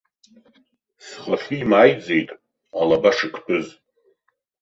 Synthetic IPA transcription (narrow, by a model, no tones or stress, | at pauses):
sχaχʲiːmaːjd͡zejtʼ | alabaʂɨkʷʰpʰʼɨz